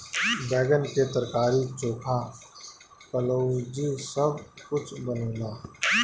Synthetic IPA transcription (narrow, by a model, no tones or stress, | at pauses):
bɛːɡənket̪əɾkaːɾit͡ʃoːkʰa | kəloːd͡ʒisɐbʱkʊt͡ʃʰbənõːlaː